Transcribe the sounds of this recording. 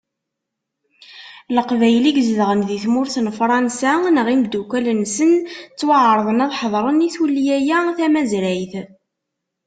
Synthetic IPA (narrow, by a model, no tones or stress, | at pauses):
ləqvæjliɡzðəʁənðiθmʊɾθənfɾˤɑnsænəʁimd̪ːukʷælənsənt͡sːwəʕɾˤðˤənɑðˤħəðˤɾˤəniθwulːijæjæθæmæzɾæjθ